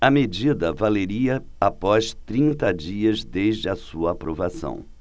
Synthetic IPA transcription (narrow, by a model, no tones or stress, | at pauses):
ɐmed͡ʒid̪ɐvaleɾiɐ | apɔst̪ɾĩnt̪ɐd͡ʒiɐzd̪ezd͡ʒɪɐsuɐaːpɾovasɐ̰̃w̃